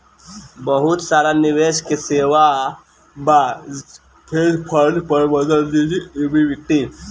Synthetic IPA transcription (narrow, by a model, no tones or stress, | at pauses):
bəɦut̪saɾaniʋeɕkeseʋa | ba | pʰeɾɾpʰəɾnpəɾbəd̪əliibiʋiʈːi